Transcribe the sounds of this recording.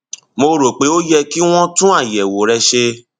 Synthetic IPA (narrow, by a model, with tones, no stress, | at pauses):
mo˧ɾo˨k͡pe˨˦o˦jɛ˧ki˦w̃ɔ̃˦tũ˦a˦˨jɛ˨wo˨ɾɛ˧ʃe˧